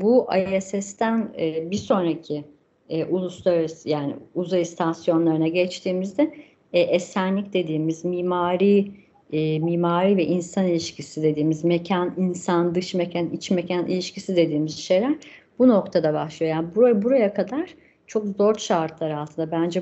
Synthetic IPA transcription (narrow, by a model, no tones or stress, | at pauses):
buʔa̰ɛsɛst̪ʰænːbiɾso̞nɾacʰiː | ʔulˠuslˠaɾsjaːnɪ̰uzajst̪ʰasjo̞nlˠaɾɯnaɟɛt͡ʃt̪ʰiːmizd̪ɛ | ʔɛsænlʲicd̪e̞d̪iːmizmiːmaːɾiː | miːmaːɾiːvɛʔinsanilʲiʃcʰisid̪e̞d̪iːmizmecʰæninsand̪ɯʃmecʰænit͡ʃmecʰænḭlʲiʃcisid̪e̞d̪iːmizʃe̞jlʲæɾ | b̥uno̞kt̪ʰad̪abaʃlˠijojaːnbbuɾajakʰad̪aɾ̥ | t͡ʃʰo̞kzo̞ɾʃaɾt̪ʰlˠaɾɯalˠt̪ʰɯnd̪abænd͡ʒɛ